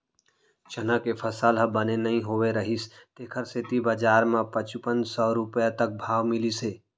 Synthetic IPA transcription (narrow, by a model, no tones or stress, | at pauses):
t͡ʃənãkepʰəsalɦəbənenəɦĩɦoʋeɾəɦist̪eːkʰəɾset̪ibad͡ʒaːɾmãpət͡ʃupə̃nd͡ʒsɔːɾʊpjat̪ək̚bʱaːʋmɪliseː